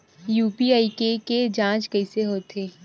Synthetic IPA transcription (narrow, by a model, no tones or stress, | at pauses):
juːpiaːikeked͡ʒãːt͡ʃkɐɪseɦoːt̪eː